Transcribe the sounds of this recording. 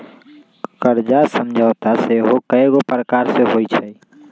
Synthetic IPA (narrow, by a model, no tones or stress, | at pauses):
kəɾd͡ʒasəmd͡ʒʱaːʊt̪aseɦokəeɡopɾəkaːɾseɦoːit͡ʃʰai